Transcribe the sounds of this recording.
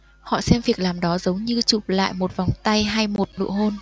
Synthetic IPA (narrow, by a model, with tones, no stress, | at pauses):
hɔ̰˧˨sɛ˧mvi˨˩ək̚laː˨˩mɗɔ˨˦zə˨˦wŋ͡mɲɨ˧t͡ɕu˨˩p̚la̰ː˧˨jmo˨˩t̚va˨˩wŋ͡mt̪a˧jɦaː˧jmo˨˩t̚nɨ̰˧˨əɦo˧n